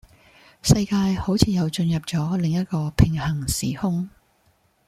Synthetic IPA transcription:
sɐ˧jkaː˧jho˨˥wt͡sʰiː˨˧jɐ˨˧wt͡sɵ˧njɐ˨p̚t͡sɔː˨˥lɪ˨ŋjɐ˥t̚kɔː˧pʰɪ˨˩ŋhɐ˨˩ŋsiː˨˩hʊ˥ŋ

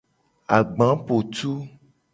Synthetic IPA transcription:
a˨ɡ͡bã˨˦po˨t̪u˦

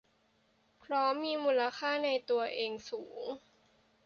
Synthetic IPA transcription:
pʰɾɔ˦˥miː˧muː˧la˧kʰaː˥˩na˧jt̪u˧ɐʔeː˧ŋsuː˩˦ŋ

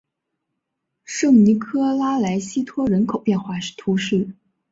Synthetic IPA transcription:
ʂɤ˥˩ŋni˧˥kʰɤ˥la˥la˧˥ɪɕi˥t̪ʰwɔ˥ɻə˧˥nkʰo˨˩ʊpjɛ˥˧nxwa˥˩ʂt̪ʰu˧˥ʂɻ̩˥˩

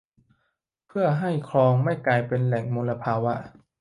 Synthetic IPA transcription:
pʰɯ˥˩ɐɦa˥˩jkʰlɔː˧ŋma˥˩jklaː˧jpe˧nlɛ˨˩ŋmo˧nlːa˧pʰaː˧wʔa˧˩ʔ

